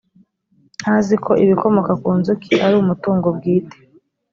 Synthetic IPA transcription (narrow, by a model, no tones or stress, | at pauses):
hazikʰo̞ʔiβiko̞mo̞kakuːnzukʰiʔaɾuːmutuːŋɡobɡiːte̥